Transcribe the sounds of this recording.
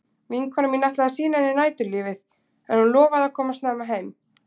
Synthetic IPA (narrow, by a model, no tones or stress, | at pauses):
viŋkʰanaminaht̪laðasiːnaɛnɪnaːjt̪ʏliːvɪθ | ɛnhunlɔːvaðakʰɔːmast̪naːmaɦejm